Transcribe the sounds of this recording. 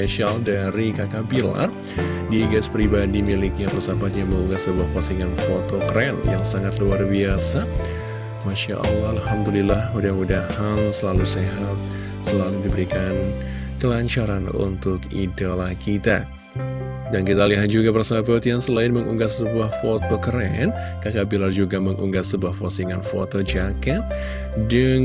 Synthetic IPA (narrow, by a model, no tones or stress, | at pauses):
eʃialdaɾikakapila̰r | diɡaspɾibadimilik̚ɲapərsabat̪̚ɲaməŋuŋɡasːəbuahpasiŋanfot̪okɾɛnjaŋsaŋat̪luarbiasa | maʃa̰ʔa̰lːɦalhamdulilahudahmudahaŋsəlaluseɦat̪̚ | səlaludibəɾikan | kəlaɲt͡ʃaɾanṵnt̪ʊkḭdalahkit̪a̰ | dankit̪aliɦat̪̚d͡ʒuɡapərsabʊt̪jaŋsəlaɪnməŋʔuŋɡat̪səbuahfot̪okəɾɛn | kakabilard͡ʒuɡaməŋʔuŋɡat̪səbuahfosiŋanfo̰t̪od͡ʒakɛt̪̚ | dəŋ